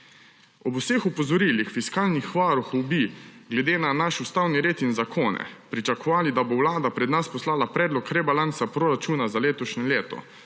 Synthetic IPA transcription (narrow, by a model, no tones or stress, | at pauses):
ɔbusexupɔzɔɾiːlixfiskaːlnixʋaːɾuxwbiɡlɛd̪eːnanaʃust̪awniɾeːt̪inzakʰoːnɛ̰pɾit͡ʃakɔʋaːlid̪abowlaːd̪apɾɛd̪naspɔslaːlapɾɛːd̪lɔkɾɛbalansapɾoɾat͡ʃuːnazaleːt̪ɔʃɲɛleːt̪ɔ̰